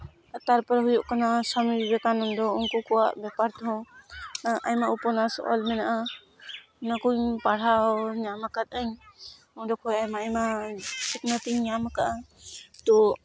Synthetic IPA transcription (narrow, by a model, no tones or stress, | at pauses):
t̪aɾpɔɾɦujɔʔkanasamiɾbɛkanɔmd̪ɔɔŋkɔkɔwaʔbɛpaɾt̪ɔɔ̃ | ajmaupɔnasɔ̰ʔɔ̰lmɛnaʔa | nakuɲpaɽ̤awɲamakat̪̚aɲ | ɔdɔkʰɔjajmaajmasik̚nat̪iɲamakaʔat̪ɔ